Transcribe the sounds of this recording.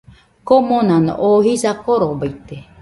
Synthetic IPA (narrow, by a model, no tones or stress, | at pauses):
komonan̰ʔohisakoɾobait̪ːe